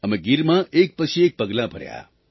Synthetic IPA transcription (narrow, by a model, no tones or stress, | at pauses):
əmẽɡiɾmãʔek̚pət͡ʃʰiek̚pəɡlãpəɾja̰